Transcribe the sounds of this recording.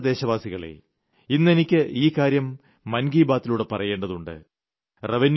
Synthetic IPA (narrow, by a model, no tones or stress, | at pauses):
d̪e̞ːɕɐʋaːsiɣɐɭḛ | inːe̞nikʲːɨʔiːkːaːɾjɐmː | ɐnɡiːbaːt̪ːiluːɽepɐrɐje̞ːɳɖɐðuɳɖɨ̰ | reʋin